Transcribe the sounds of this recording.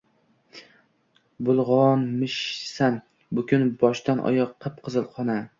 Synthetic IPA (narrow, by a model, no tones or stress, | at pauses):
bʊlˠʁɒnmɪʃsan | bʊkʲʊnbɒʃt̪anʔɒ̰jɒqʰːɨp̚qʰɨzɨlˠqʰɒna